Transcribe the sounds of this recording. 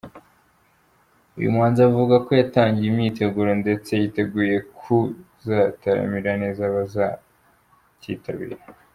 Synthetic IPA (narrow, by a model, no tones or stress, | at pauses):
ujṵmŋaːnzavuɡako̞jataːɲɟiimɲiːte̞ɡuːɾo̞nde̞t͡se̞jite̞ɡuːje̞kʰu | zataɾa̰miɾane̞zaβaza | cḭtʰaβḭɾa